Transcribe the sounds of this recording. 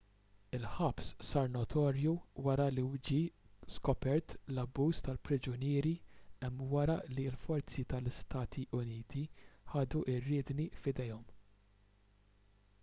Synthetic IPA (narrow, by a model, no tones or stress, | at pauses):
ɪlħɐpssɐɾnɔt̪ʰɔːɾjuwɐɾɐlid͡ʒiskɔpɛɾt̪lɐbːuːst̪ɐlpɾɪd͡ʒʊnɪːɾiɛmːwɐɾɐlilfɔɾt͡sit̪ɐlɪst̪ɐːt̪ʰiʔʊniːt̪iħɐːd̪uʔɪrːɪːd̪nifɪd̪ɛjɔm